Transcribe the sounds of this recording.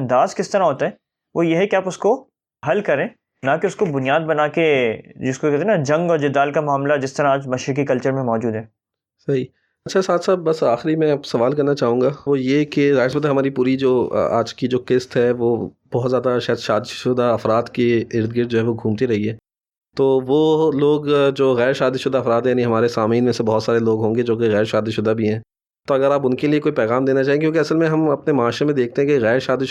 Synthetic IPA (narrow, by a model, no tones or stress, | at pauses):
ɐ̃nd̪aːzkɪst̪ɐɾaɦoːt̪aɦɛː | ʋojeɦɛkeaːpʊsko | ɦɐlkɐɾẽː | nakeʊskobʊnijaːd̪̚bɐnaːked͡ʒɪskokɛːt̪enad͡ʒɐ̃ŋɡɔːɾd͡ʒɪd̪aːlkamaːmlad͡ʒɪst̪ɐɾaaːd͡ʒmɐʃɾɪk̬ikɐlt͡ʃəɾmẽmɔːd͡ʒuːd̪ɦɛ̃ː | sɐɦi | ɐtːʃʰasaːt̪ʰsaːb̚bɐsaːxɾimɛ̃apsɐʋaːlkɐɾnat͡ʃaːɦũːɡaʋojekeaɪspət̪aɦɐmaːɾipuːɾid͡ʒo̰ːa̰ːd͡ʒkid͡ʒoːkɪst̪ɦɛʋoː | b̥ɔɦt̪zjaːd̪aʃaːd̪ʃaːd̪iʃʊd̪aɐfɾaːd̪keɪɾd̪̚ɡɪɾ̚d͡ʒoːɦɛʋoɡʱũːmt̪iɾɐɦiɦɛː | t̪oːʋoloːɡd͡ʒoːɣɛːɾʃaːd̪iʃʊd̪ʱaɐfɾaːd̪ɦɛ̃jaːniɦɐmaːɾesaːmiːnmẽsebɐɦt̪saːɾeloːɡɦõːŋɡed͡ʒoːkeɣɛːɾʃaːd̪iʃʊd̪abʱiɦɛ̃ː | t̪oɐɡəɾaːp̬ʊnkeliekoːipɛːɣaːmd̪eːnat͡ʃaːɦẽekjõːkeɐsəlmẽɦɐmɐpnemɐaːʃɾemẽd̪eːk̚t̪eɦɛ̃keɣɛːɾʃaːd̪iʃ